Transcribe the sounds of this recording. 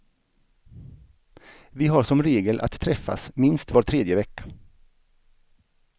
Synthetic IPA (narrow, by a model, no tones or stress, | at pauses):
vɪɦaɾʂɔmɾeːɡəlʔa̰t̪ʰːɾɛfːa̰smɪnst̪voːʈ̪ʰːɾeːd̪jəvɛkːḁ